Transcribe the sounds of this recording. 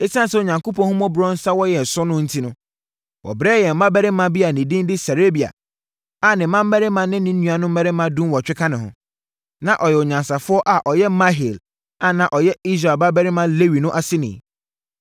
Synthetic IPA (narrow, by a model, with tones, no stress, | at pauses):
e˦sã˦sɛ˦˨o˨ɲã˨ŋko˦pʰɔ̃˦hʊ̃˦mɔ̃˦bɾɔ̃˦n̩˦sa˦wɔ˦jɛ˨sʊ˦nʊ̃˦n̩˦tʰi˦nʊ̃˦ | wʔɔ̰˨bɾɛ˦jɛ˨m̩˨mã˦bɛ˦ɾɪ˦mã˦bi˦a˨nĩ˨dĩ˦n˦dɪ˦sa˨ɾe˦bi˨a̰˨ | a˨nɪ̃˨˦mã˦m˦mæ˦ɾɪ˦mã˦nɪ̃˦nɪ̃˦n̩˦nũ˦˨a˨nʊ̃˦m̩˦mɛ˦ɾɪ˦mã˦dũ˦nwɔ˨t͡ɕᶣɪ˦kʰa˦nɪ̃˨ɦʊ̰̃˨ | nã˨ʔɔ˨jɛ˨ʊ˨ɲã˨nsa˨fʊ˦ɔ˦ʔa˨ʔɔ˨jɛ˦ma˦ɦi˨l | a˨nã˨ʔɔ˨jɛ˦i˦s̬ɾa˨ba˦bæ˦ɾɪ˦mã˦le˦wi˨nʊ̃˦ʔa˦sɪ˦nɪ̰̃˨